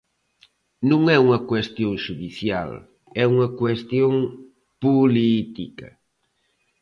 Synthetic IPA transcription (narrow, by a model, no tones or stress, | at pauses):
nũŋɛuŋɐkwest̪jõŋʃuðiθja̰l | ɛuŋɐkwest̪joŋ | pulit̪ikɐ̰